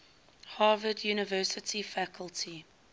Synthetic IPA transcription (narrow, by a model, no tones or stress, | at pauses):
hɑːvədjuːnəvɜːˑsətʰifækʰəlˠtʰi